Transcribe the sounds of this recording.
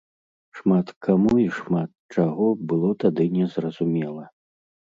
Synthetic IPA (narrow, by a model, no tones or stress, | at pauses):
ʂmat̪kʰamuiʂmat̪̚t͡ʂaɣɔbɨlˠɔt̪ad̪ɨnʲɛzrɐzumʲɛlˠɐ